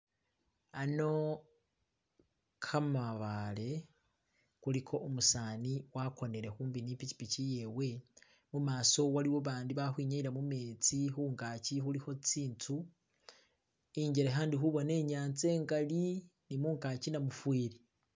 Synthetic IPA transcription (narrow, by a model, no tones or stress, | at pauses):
ano̞ | kʰamaβale̞ | kulikʰo̞ʔomusaːniwako̞ne̞ɾe̞xuːmbiniːpici̥picije̞we̞ | mumaːso̞waliwoβaːndiβaxwiːɲaiɾamume̞ːt͡sixuːŋkaːcixulixo̞t͡siːntʰu | iːɲɟeɾeɦaːndixuβo̞ne̞ːɲaːnt͡se̞ːŋɡalinimuːŋkacinamufwiːɾi